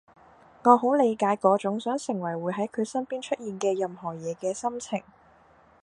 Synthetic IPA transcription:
ŋɔː˨˧ɦo˨˥wle˨˧jkaː˨˥jkɔː˨˥t͡sʊ˨˥ŋsœː˨˥ŋsɪ˨˩ŋwɐ˨˩jwuː˨˧jɦɐ˨˥jkʰɵ˨˧ɥsɐ˥npiː˥nt͡ʃʰɵ˥t̚jiː˨nkɛː˧jɐ˨mɦɔː˨˩jɛː˨˧kɛː˧sɐ˥mt͡sʰɪ˨˩ŋ

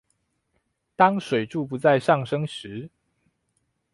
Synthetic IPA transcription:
t̪ɑ˥ŋʂwe˨˩ɪʈ͡ʂu˥˨pu˨˦t͡sa˥˧ɪʂɑ˥˨ŋʂɤ˥ŋʂɻ̩˨˦

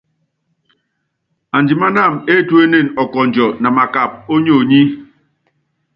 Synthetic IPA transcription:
a˨n˨d͡ʒi˨ma˦na˦˨me˦tu˦e˦ne˦˨nɔ˨kɔ˨n˨d͡ʒɔ˨na˨ma˨ka˨p̚o˦ɲo˦˨ɲi˦

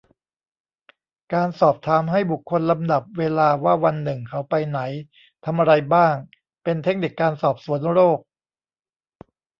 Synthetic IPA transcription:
kaː˧nsɔː˨˩p̚t̪ʰaː˩˦mɦa˥˩jbu˨˩kʰːo˧nla˧mda˨˩p̚weː˧laː˧waː˥˩wa˧nːɯ˨˩ŋkʰa˦˥wpa˧jna˩˦j | t̪ʰa˧mʔa˧ɾa˧jbaː˥˩ŋ | pe˧nt̪ʰe˦˥k̚ni˨˩kːaː˧nsɔː˨˩p̚su˩˦ənɾoː˥˩k̚

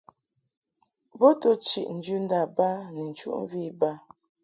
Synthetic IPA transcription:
bɔ˦tɔ˦t͡ʃḭ˨ʔn̩˨˦d͡ʒʉ˦n̩˦da˦˨ba˦nɛ˨n̩˨t͡ʃṵ˦ʔɱ˦vi˦˨ba˦

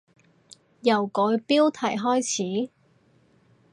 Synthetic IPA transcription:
jɐ˨˩wkɔː˨˧jpiː˥wt̪ʰɐ˨˩jɦɔː˥jt͡sʰiː˨˥

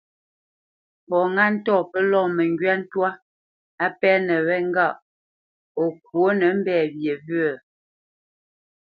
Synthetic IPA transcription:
pɔ˨ŋa˦˨n̩˦tɔ˦˨pə˦lɔ˦˨mə˨ŋɡɥa˦n̩˦twa˦ | a˦pɛː˦nə˨wɛ˦ŋ˦ɡa˦˨ʔ | o˨k̚wo˦nə˨˦m̩˦bɛː˦˨bje˨bɰə˦˨

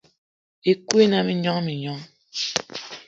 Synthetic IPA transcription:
e˨kwe˦na˨mi˦ɲɔ˦ŋmi˨ɲɔ˦ŋ

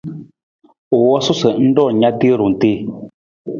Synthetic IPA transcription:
o˨wɔ˦sʊ˦sə˨n̩˦ɖɔ˦˨ɲa˦t̪e˦ɾʊ˨n̩˨te˦˨

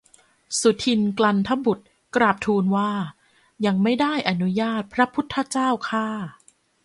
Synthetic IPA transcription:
su˨˩˦t̪ʰi˧nkla˧nt̪ʰa˦˥bu˨˩t̪̚ | kɾaː˨˩p̚t̪ʰuː˧nwaː˥˩ | ja˧ŋma˥˩jda˥˩jʔa˧nu˦˥jaː˥˩t̪̚pʰɾa˦˥pʰu˦˥t̪ʰːa˧˥t͡ɕaː˥˩wkʰaː˥˩

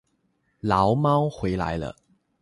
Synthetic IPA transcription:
lɑ˨˦ʊmɑ˥ʊxwe˨˥ɪla̰˧˥ɪlə̰˦

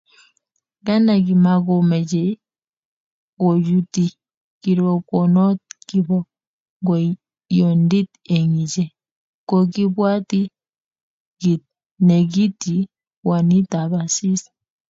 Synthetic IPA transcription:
ɡa˦na˨ɡi˨ma˨ɡɔ˨mɛ˨d͡ʒe˨˦ | o˨d͡ʒu˦ti˨ | ki˨ɾɔ˨kɔ˨nɔ˦t̚ki˦bɔ˦ | ŋɡɔ˨ | jɔ˨ndi˦te˨ŋi˨d͡ʒe˦˨ | kɔ˨ki˦bwa˦ti˦ | ɡi˨t̚ | nɛ˨ɡi˦ti˨ | wa˨ni˦ta˨βa˨si˦s

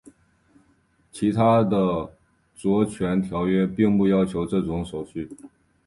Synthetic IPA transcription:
t͡ɕʰi˧˥t̪ʰa˥d̪ə˨ | t͡swɔ˧˥t͡ɕʰɥɛ˧˥nt̪ʰjɑ˧˥ʊɥɛ˥pi˥˧ŋpu˥˩jɑ˥ʊt͡ɕʰjo˧˥ʊʈ͡ʂɤ˥˩ʈ͡ʂʊ˧˥ŋʂo˨˩ʊɕy˥˩

